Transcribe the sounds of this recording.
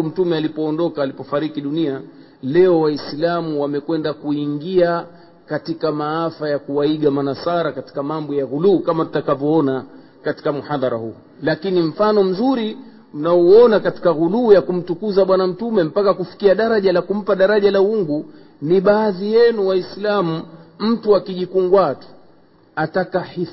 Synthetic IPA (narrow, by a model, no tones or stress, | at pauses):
m̩tumɛalipɔːndɔkaːlipɔfaɾikiɗunia | lɛɔwaislamuwamɛkwɛndakuiŋɡia | katikamaafajakuwaiɡamanasaɾakati̥kamambɔjaɣuluːkamatu̥takavɔɔna | kati̥kamuhaðɑɾahuː | lakinim̩fanɔm̩zuɾi | m̩nauɔnakati̥kaɣuluːjakum̩tukuzaɓwanam̩tumɛm̩pakakufi̥kiaɗaɾaʄalakum̩paɗaɾaʄalauŋɡu | niɓaːðijɛnuwaislamum̩tuakiʄikuŋɡwatu̥ | atakahi